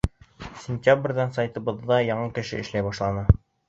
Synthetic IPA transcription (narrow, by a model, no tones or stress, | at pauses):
sʲɪnʲt̪ʲabrʲðɑnsajt̪ɤ̆βɤ̆ðːɑjɑɴɑkɘ̆ʃɘɘ̆ʃlæjbɑʃlˠɑnɤ